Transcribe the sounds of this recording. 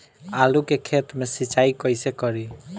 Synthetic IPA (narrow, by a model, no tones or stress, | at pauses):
alukekʰet̪mesit͡ʃaikʌjsekʌɾi